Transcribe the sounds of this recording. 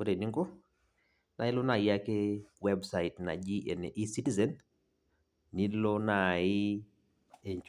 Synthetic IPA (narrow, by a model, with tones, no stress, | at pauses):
o˦ɾe˨ni˦ŋɡo˦ | na˨˦ɪ˦lʊ˦na˨ja˦ke˦wɛ˦bsa˨i˨tna̰˨d͡ʒi˦ʔe˨ne˨ʔi˦si˦ti˦zɛ˦n | i˦lo˦na˨ɪ˦ | e˨ɲt͡ʃ